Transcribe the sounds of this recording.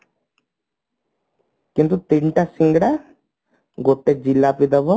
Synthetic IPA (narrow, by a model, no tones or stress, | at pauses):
kint̪ut̪iɳʈasiŋɡɽa | ɡoʈːed͡ʒilːapid̪ɐbɔ